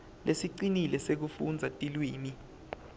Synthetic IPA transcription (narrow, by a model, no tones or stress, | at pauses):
lʔesiǀinilɛsek̬ufund͡zʱatʼilwiːmi